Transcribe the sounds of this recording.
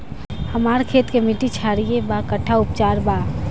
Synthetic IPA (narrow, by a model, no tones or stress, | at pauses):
həmaːɾkʰeːt̪kemiʈit͡ʃʰaːɾijebakəʈʰːaʊpt͡ʃaːɾba